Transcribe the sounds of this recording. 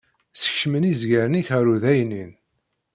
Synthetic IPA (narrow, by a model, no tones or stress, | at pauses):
sə̥çʃmənizɡəɾniçæɾuðæjnin